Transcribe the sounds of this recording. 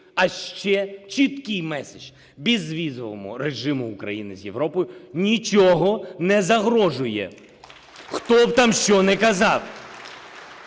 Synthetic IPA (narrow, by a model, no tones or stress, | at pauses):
ɐʃt͡ʃɛt͡ʃit̪kɪjmɛsɪʒ | bʲizʋʲizɔʋɔ̰mʊ̰ɾeʒɪmʊːkɾɐ̰jinɪzʲjeʋɾɔpɔjʊnʲit͡ʃɔɦɔnɛzɐɦɾɔʒʊjɛ̰ | xt̪ɔwt̪amʃt͡ʃɔnɛkɐzɑw